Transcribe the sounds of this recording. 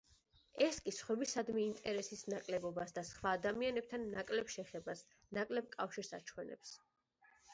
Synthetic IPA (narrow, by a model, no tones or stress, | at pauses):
ɛskʼisχwɛbisad̪miint̪ʼɛɾɛsisnakʼlɛbɔbasd̪asχwaːd̪amianɛb̚t̪ʰanːakʼlɛbʃɛχɛbas | nakʼlɛb̚kʼafʃiɾsa̰t͡ʃʰwɛnɛ̰ps